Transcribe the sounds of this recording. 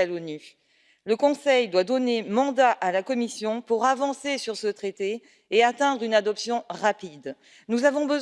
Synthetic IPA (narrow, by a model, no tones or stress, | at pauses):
alony | ləkɔ̃sɛjd̪wad̪ɔnemɑ̃d̪aʔalakɔmisjɔ̃puʁavɑ̃sesyʁsət̪χet̪e | eat̪ɛ̃d̪ʁynad̪ɔpsjɔ̃ʁapid̪ | nuzavɔ̃bəz